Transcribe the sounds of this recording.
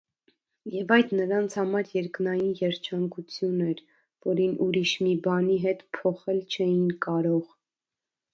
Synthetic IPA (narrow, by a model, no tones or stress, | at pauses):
jɛvɑjd̪nəɾɑnt͡sʰhɑmɑɾjɛɾknɑjinjɛɾt͡ʃʰɑŋkut͡sʰjunɛɾ | vɔɾinʔuɾiʃmibɑniɦɛt̪pʰɔχɛlt͡ʃʰɛjinkɑɾɔʁ